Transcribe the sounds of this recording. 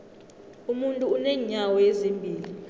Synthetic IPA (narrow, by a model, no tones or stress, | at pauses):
umuntʼuːnɛɲawɔjezimbʱiːli